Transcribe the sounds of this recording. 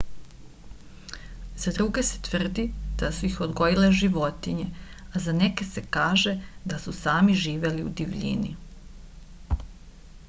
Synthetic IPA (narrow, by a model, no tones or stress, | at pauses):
z̥ad̪ɾuɡe̞se̥t̪ʋr̩d̪id̪̥asuixod̪ɡo̞jileʒiʋo̞t̪iɲeazaneke̞sekaːʒe̞d̪asusaːmiʒiːʋe̞liṵd̪iʋʎḭnḭ